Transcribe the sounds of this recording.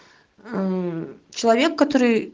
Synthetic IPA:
t͡ɕɪlˠɐvʲe̞kːɐt̪o̞ɾɨj

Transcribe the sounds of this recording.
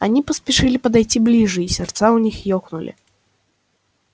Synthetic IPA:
anʲipɐsʲpʲɛʂɨlʲipɐd̪ajt͡sʲiblʲiʐɨisʲɛrt̪sawnʲixjɔxnulʲḭ

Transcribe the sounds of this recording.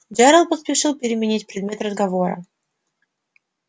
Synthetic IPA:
d͡ʑʲaɾəlˠpəspʲɪʂɨlˠpʲɪɾʲɪmʲɪnʲitʲpɾʲɪd̪̚mʲe̞t̪rəzɡɐvo̞ɾə̰

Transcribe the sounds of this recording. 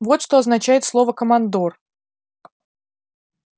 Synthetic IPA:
vo̞t̪ʂt̪oɐznɐt͡ɕæjɪt̪slˠo̞vəkəmɐnd̪or

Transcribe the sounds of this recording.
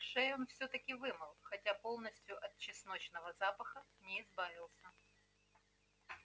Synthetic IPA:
ʂɛjonfsʲɵt̪əkʲɪvɨmɨlˠxɐtʲapo̞lˠnəsʲtʲjʊʔɐt̪̚t͡ɕːɪsno̞t͡ɕnəvəzapəxənʲɪɪzbavʲɪlˠsʲə

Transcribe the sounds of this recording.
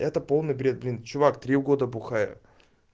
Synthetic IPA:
ɛt̪əpo̞lˠnɨjbɾʲe̞t̪̚blʲint͡ɕʊvakt̪ɾʲivɡo̞d̪əbʊxajə̰

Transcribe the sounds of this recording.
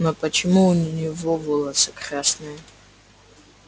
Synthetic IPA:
nopʼɐt͡ʃʰɪmunʲnivovolˠɐsɨkχʲasnɨj

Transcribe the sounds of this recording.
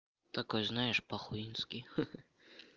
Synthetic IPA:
t̪akɔjznajɛʂpɐxuinskʲi

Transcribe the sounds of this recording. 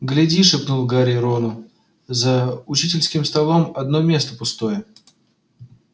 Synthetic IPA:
ɡlʲɪdʲiʂɨpnulˠɡaɾʲɪɾonʊ | zəʊt͡ɕitʲɪlʲskʲɪmst̪ɐlˠo̞mɐd̪nomʲe̞st̪əpʊst̪o̞jə

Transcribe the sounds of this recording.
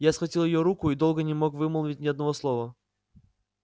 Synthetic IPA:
jasxvɐtʲilˠjɪjoɾukʊid̪o̞lˠɡənʲɪmo̞kvɨməlˠvʲɪt̚ʲnʲɪɐd̪̚nɐvo̞slˠovə

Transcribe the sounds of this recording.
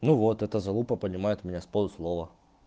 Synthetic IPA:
nuvot̪ɛt̪əzɐlˠupəpənʲɪmajɪt̪mʲɪnʲaspolˠʊslˠovə

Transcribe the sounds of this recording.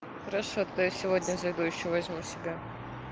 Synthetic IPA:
xəɾɐʂot̪t̪ojasʲɪvo̞d̪ʲnʲəzɐjd̪ujɪɕːovɐzʲmʲusʲɪbʲa

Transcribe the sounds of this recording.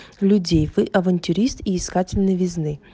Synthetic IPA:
lʲʊdʲejvɨʔɐvɐnʲtʲʊɾʲist̪iɪskatʲɪlʲnɨjvʲɪznɨ

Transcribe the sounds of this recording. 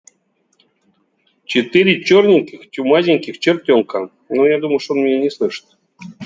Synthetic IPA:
t͡ɕit̪ɨɾʲit͡ɕornʲinʲkʲixtʲumazʲiŋʲkʲixt͡ɕert̪ʲoŋka | nojad̪uməʂonmʲinʲenʲeslˠɨʂt̪ʲ

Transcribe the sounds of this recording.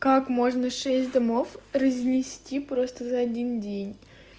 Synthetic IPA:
kakmo̞ʐnəʂɛsʲtʲd̪ɐmo̞frəzʲmʲɪsʲtʲipɾo̞st̪əzɐɐdʲindʲenʲ

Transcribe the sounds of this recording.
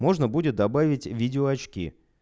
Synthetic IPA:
mo̞ʐnəbudʲɪt̪̚d̪ɐbavʲɪtʲvʲidʲɪoɐt͡ɕkʲḭ

